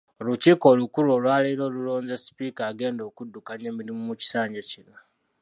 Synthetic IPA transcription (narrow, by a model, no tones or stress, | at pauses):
luciːko̞lukulo̞ːlwaːlailo̞ːlulo̞ːnzesi̥piːkaːɡe̞ːndo̞ːkudːukaɲe̞ːmiɾimumuci̥saːɲɟecina